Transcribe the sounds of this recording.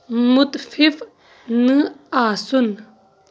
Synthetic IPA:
mut̪fʰif | nɨasun

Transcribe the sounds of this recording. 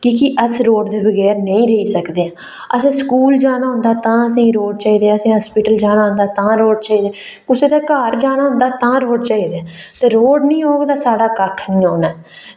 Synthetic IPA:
kiːkɪʔəsɾoːɖd̪eːbəɡɛːɾnəĩːɾəɦiːsəkd̪eːãː | əsĩːskuːld͡ʒaːnaːɦʊ̃nd̪aːt̪ãːəsĩːɾoːɖt͡ʃaːiːd̪eːəsĩːɦaːspɪːʈəld͡ʒaːnaːɦʊ̃nd̪aːt̪ãːɾoːɖt͡ʃaːiːd̪eː | kʊseːd̪aːkaːɾd͡ʒaːnaːɦʊ̃nd̪aːt̪ãːɾoːɖt͡ʃaːiːd̪eãːt̪eːɾoːɖnĩːɦoːɡd̪aːsaːɽaːkəkʰnĩːɦoːnaː

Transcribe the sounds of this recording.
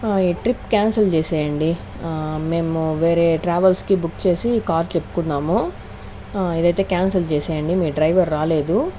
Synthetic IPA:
iːʈɾipːkaːnsɐlt͡ʃeːsɛːjɐɳɖi | meːmuʋe̞ːɾe̞ːʈɾaːʋɐlskibukːt͡ʃe̞ːsikaːɾt͡ʃepːu̥kunːaːmu | ed̪ɐjt̪e̞ːkaːnsɐlt͡ʃeːsɛːjɐɳɖimiːɖɾɐjʋɐɾːaːle̞ːd̪u

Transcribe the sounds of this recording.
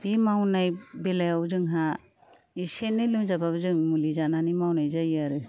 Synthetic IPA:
bimawnajbelajawzɯŋɦa | isenɯlɯmzababzɯŋmulizananimawnajzajaɾɯ

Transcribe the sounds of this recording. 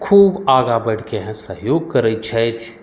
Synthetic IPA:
kʰuːbaːɡabɐɽ̤keɦɛ̃səɦjoːɡ̚kɐɾəit͡ʃʰɛt̪ʰ

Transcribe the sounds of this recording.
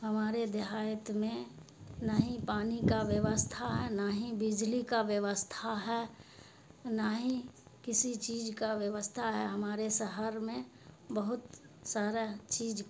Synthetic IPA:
ɦəmaːɾed̪eɦaːjət̪mẽ | naɦĩpaːnikaʋjəʋəst̪ʰaɦɛnaːɦĩbɪd͡ʒlikaʋjəʋəst̪ʰaɦɛ | naːɦĩ | kɪsit͡ʃiːd͡ʒkaʋjəʋəst̪ʰaɦɛɦəmaːɾesəɦəɾmẽ | bəɦʊt̪ | saːɾet͡ʃiːd͡ʒ

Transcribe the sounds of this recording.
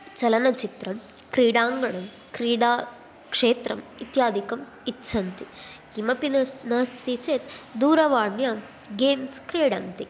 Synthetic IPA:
t͡ʃɐlɐnɐt͡ʃit̪ɾɐm | kɾiːɽaːŋɡɐɳɐm | kɾiːɽaː | kʂeːt̪ɾɐmit̪jaːd̪ʱikɐm | itːʃʰɐnt̪iɡimɐpinɐnɐɦɐst̪it͡ʃeːt̪d̪uːɾɐʋaːɳjɐ | ɡeːmskɾeːɽɐnt̪i

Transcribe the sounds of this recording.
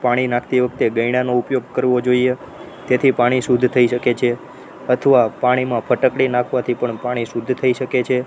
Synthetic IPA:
paɽ̃inãkʰt̪iʋək̚t̪eɡəiɽ̃anoupjoɡ̚kəɾʋod͡ʒoie | t̪et̪ʰipaɽ̃isud̪ʱt̪ʰəiʃəket͡ʃʰe | ət̪ʰəʋapaɽ̃imãpʰəʈəkɽinãkʰʋat̪ʰipəɳpaɽ̃isud̪ʱt̪ʰəiʃəket͡ʃʰe

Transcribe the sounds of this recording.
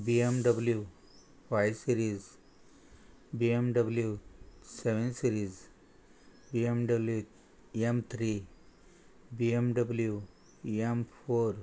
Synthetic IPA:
biemɖəblju | faɪsiɾiz | biemɖəbljuseʋẽnsiɾiz | biemɖɐblju | emt̪ʰɾi | biemɖəblju | empʰoːɾ

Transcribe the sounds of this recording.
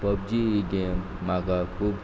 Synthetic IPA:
pʌb̚d͡ʒiiɡemːakakʰub

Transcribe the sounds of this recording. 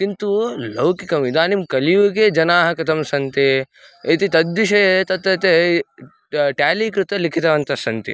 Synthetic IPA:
kint̪ulɐwkikɐmid̪aːnimkɐliʋuked͡ʒɐnaːɦɐkɐt̪ʰɐmsɐnt̪e | it̪it̪ɐd̪ːiʃɐt̪ɐt̪ːɐt̪e | ʈjaːliːkɾut̪ɐlikʰit̪ɐʋɐnt̪ɐsɐnt̪ḭ

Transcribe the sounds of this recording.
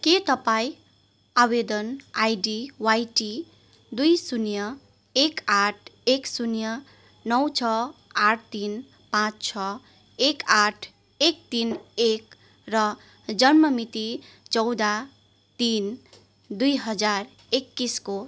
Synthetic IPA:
ket̪ʌpaĩ | awed̪ʌnajɖiwajʈi | d̪ujsunjʌ | ekaʈʰeksunjʌ | nʌwt͡sʰʌaʈʰt̪in | pãt͡st͡sʰʌ | ekaʈʰ | ek̚t̪inek | rʌ | d͡zʌnmʌmit̪i | t͡sʌwd̪a | t̪in | d̪ujɦʌd͡zar | ekːisko

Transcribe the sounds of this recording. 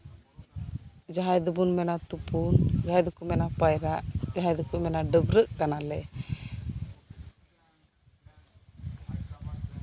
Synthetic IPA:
d͡ʒaɦajd̪ubunmɛnat̪upund͡ʒaajd̪ukumɛnapajɾaʔd͡ʒaɦajd̪ukumɛnaɖəbɾəʔkanalɛ

